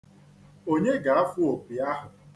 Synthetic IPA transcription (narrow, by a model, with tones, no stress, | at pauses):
o˦ɲe˦ɡa˨ɾa˦fʊ˦o˨pi˨a˦ɦʊ˨